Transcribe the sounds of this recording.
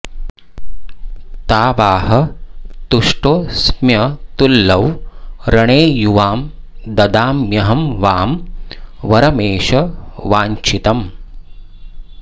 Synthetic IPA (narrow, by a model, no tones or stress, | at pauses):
t̪aːʋaːɦɐt̪uʂʈoːsmjɐt̪ulːɐwɾɐɳeːjuʋaːm | d̪ɐd̪aːmːjɐɦɐmʋaːm | ʋɐɾɐmeːʃɐʋaːɲt͡ʃit̪ɐm